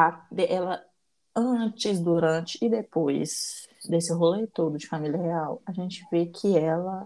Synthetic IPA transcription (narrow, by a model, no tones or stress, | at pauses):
ad̪ɛʔɛlɐ | ɐ̃t͡ʃɪzd̪uɾɐ̃t͡ʃɪ̥ːd̪epojzd̪esɪɦolet̪od̪ʊd͡ʒɪfamiliɐheawɐʒẽnt͡ʃɪvekʰɪɛlɐ